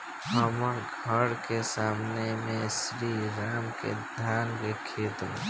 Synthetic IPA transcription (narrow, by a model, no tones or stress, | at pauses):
bəməŋɡʱəɾkesaːmnemẽsɾiɾaːmkḛd̪ʱaːnkekʰet̪mḛ̃